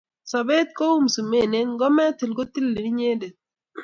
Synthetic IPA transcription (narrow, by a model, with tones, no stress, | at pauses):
sa˨be˦t̪̚ko˦u˦msu˨me˦˨ne˦nɡɔ˦mɛ˦t̪i˨lɡo˦t̪i˦lːe˨ni˦ɲe˦de˨t̚